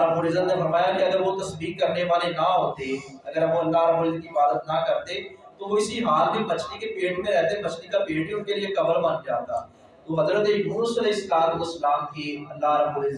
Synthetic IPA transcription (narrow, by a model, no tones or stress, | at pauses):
ɾəbuːɾɪzənnefɐɾmaːjakiɐɡəɾʋot̪ɐsbiːkːɐɾneʋaːlenɐɦoːt̪e | ɐɡəɾoɐlːaɦɾɐbuːɾɪzəkipaːd̪ət̪nɐkɐɾt̪et̪oʋoɪsiɦaːlmẽbɐt͡ʃnikepeːʈmẽɾɛɦt̪ẽbɐt͡ʃnikapeːʈiʊ̃keliekɐbəlmɐnd͡ʒaːt̪a̰ː | t̪omɐd̪ələd̪emuːnsɐleːɪslaːmzosɐlaːmkiɐlːaːɾəbuːɾɪz